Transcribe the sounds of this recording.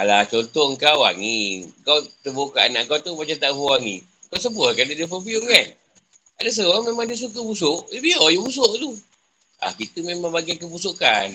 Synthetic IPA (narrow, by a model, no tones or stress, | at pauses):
alat͡ʃont̪ɔŋkawa̰ŋikawt̪əbukaʔana̰ʔkawt̪ubat͡ʃat̪aʔboaŋḭ | kaws̬əbəkandidifofiumkan | adas̬əɾamemaŋdis̬uk̬əbus̬ʊʔibiɔjubus̬oʔt̪u | a̰hkit̪əmemãŋbaɡakəbusukan